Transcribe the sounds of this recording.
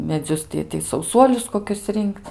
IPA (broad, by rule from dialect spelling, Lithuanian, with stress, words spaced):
mʲɛˈd͡zʲʊs tʲɪ tɐɪ sɐʊˈsuɔlʲʊs koːˈkʲʊs ˈrʲɪŋkt͡s